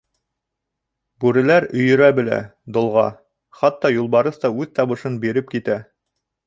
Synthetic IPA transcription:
bʉɾɘ̆læɾɵ̆jɵ̆ɾæbɘ̆læ̰d̪ŏlˠʁɑ̰ | χɑt̪ːɑjulˠbɑɾɤθt̪ɑʉðt̪ɑβɤ̆ʃɤnbiɾɘp̚kit̪æ

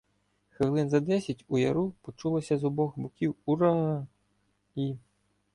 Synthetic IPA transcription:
xewlˠɪnzɐd̪ɛsʲɐtʲujɐɾupɔt͡ʃulˠɔsʲɐzɔbɔxbʊkʲiwuɾɑ | i

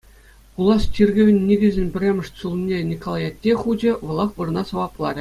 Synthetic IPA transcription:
kulˠɑst͡ɕʲirʲɡʲɘ̆ʋʲɘ̆nʲːiɡʲɘ̆zʲɘ̆nʲbʲɘ̆rʲemʲɘ̆ʂt̪ʲsulˠnʲenʲikolˠɑjɑt̪ʲːeχud͡ʑʲɘ̆ʋɤ̆lˠɑχʋɯrɤ̆nɑsɤ̆ʋɑplˠɑɾʲɘ̆

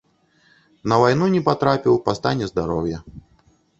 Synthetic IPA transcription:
nɐvajnunʲɛpat̪ɾapʲiwpast̪anʲːɛzd̪aɾɔwjɐ

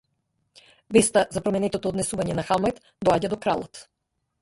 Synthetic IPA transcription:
vɛst̪azapɾɔmɛnɛt̪ɔt̪ɔːd̪nɛsuvaɲɛnaxamɛt̪ | d̪ɔaɟad̪ɔkɾalˠɔt̪

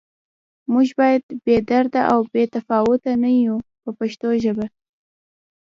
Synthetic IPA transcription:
muʒbɑjad̪bed̪aɾd̪aʔawbet̪afɑwʊt̪anajupəpaʃt̪oʒəba

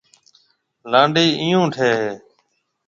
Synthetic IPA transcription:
lãːɳɖiːʔijũːʈʰeːɦeː

